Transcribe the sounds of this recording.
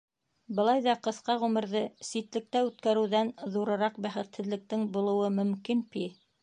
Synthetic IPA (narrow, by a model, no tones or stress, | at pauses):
bɤ̆lˠɑjðɑqɤ̆θqɑʁʉmɘ̆ɾðɘsit̪lɘ̆k̚t̪æʉt̪̚kæɾɘ̆wðænðuɾɤ̆ɾɑq̚bæχɘ̆t̪hɘ̆ðlɘ̆k̚t̪ɘŋbulˠɤ̆wɤmɵ̆mkinpi